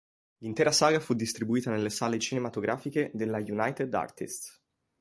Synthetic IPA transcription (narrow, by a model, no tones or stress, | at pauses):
lint̪ɛːɾasaːɡafud̪ːist̪ɾibuiːt̪anelːesaːlet͡ʃinemat̪oɡɾʔaːfiked̪elːajunajt̪ed̪a̰rt̪ḭst̪